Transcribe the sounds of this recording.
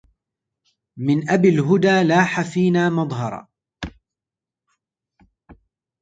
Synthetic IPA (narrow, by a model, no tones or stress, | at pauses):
mɪnʔabɪlɦʊd̪aːlaːħafiːnaːmɑd̪ˤɦɑɾˤɑ̰